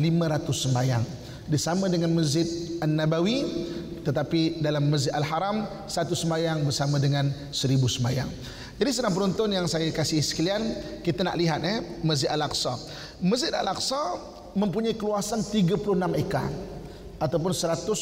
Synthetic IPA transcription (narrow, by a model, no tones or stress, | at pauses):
limãɾat̪ʊsːəmbaja̰ŋ | disamãdəŋanməzɪt̪̚anːabawi | t̪ət̪apidalamːəszɪt̪alɦaɾam | səat̪usəmbajaŋbərsamãdəŋan | səɾibusəmbaja̰ŋ | d͡ʒadisədaŋpəɾɔnt̪ʊnjaŋsajakasɪhsə̥kaliankit̪ana̰ʔliɦat̪̚ɛməzɪt̪alaksɔ | məzɪt̪a̰laksa | mə̃mpuɲaikəluasant̪iɡapulʊhnameka̰ | at̪awp̬ʊnsəɾat̪ʊs